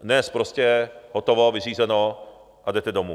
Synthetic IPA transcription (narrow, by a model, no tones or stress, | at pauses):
nɛspɾoscɛɦot̪ovovɪriːzɛno | ʔadɛt̪ɛdomṵː